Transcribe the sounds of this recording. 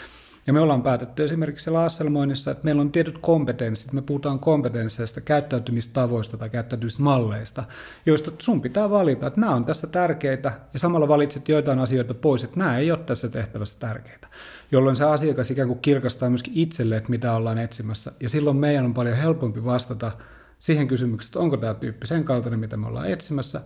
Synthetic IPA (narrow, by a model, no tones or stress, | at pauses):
jɑmyøolːɑːmpæːt̪et̪ːyesimerkiksielæɑsːelmoinisːɑet̪meilːont̪iet̪yt̪kompet̪ensːit̪mepuhut̪ɑːŋkompet̪ensːeist̪ɑkæyt̪ːæyt̪ymist̪ɑʋoist̪ɑt̪ɑikæyt̪ːæyt̪ymist̪mɑlːeist̪ɑ | joist̪ɑsumpit̪æːʋɑlit̪ɑet̪næːont̪æsːæt̪ærkeit̪æjɑsɑmɑlːɑʋɑlit̪set̪joit̪ɑinɑsioit̪ɑpoiset̪næːeioːt̪t̪æsːæt̪eht̪æʋæsːæ̥t̪ærke̥it̪æ̥ | jolːoinseɑsiɑkɑsikæːŋkukkirkɑst̪ɑːmyøskiit̪selːeet̪mit̪æolːɑːnet̪simæsːæjɑsilːommeijænompɑljohelpompiʋɑst̪ɑt̪ɑ | siːheŋkysymyksse̥t̪oŋkot̪æːt̪yːpːiseŋkɑlt̪ɑnemit̪æmeo̰lːɑ̰ːet̪simæsːæ